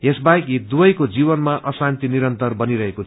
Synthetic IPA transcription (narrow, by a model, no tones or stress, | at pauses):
jesbajkid̪ubʌjkod͡zibʌnmaʔʌsant̪iniɾʌnt̪ʌrbʌniɾʌɦeko